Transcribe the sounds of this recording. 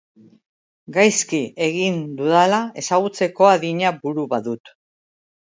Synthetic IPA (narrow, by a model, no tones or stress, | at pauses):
ɡajskie̞ɣind̪uðalae̞saɣ̞ut͡se̞ko̞aðiɲabuɾuβaðut̪